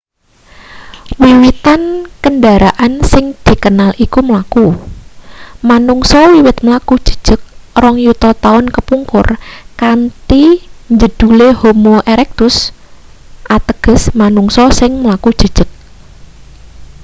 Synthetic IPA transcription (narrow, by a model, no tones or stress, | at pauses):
wiwit̪ankənɖaɾaʔansɪŋd̪̥i̤kənalikuməlaku | manuŋsɔwiwɪt̪̚məlakud̥ʒ̥ə̤̥d̥ʒ̥ə̤k̚rɔŋjut̪ɔt̪aʊnkəpuŋkʊ̰rkant̪iɲd͡ʒəd̪̥ulehomoʔeɾɛk̚t̪ʊs | ʔat̪əɡ̥ə̤smanuŋsɔsɪŋməlakud̥ʒ̥ə̤d̥ʒ̥ə̤k̚